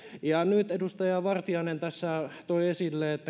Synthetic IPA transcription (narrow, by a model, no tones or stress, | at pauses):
jɑnyt̪edust̪ɑjɑʋɑrt̪iɑˑinent̪æsːæt̪oiesilːeːet̪ːæ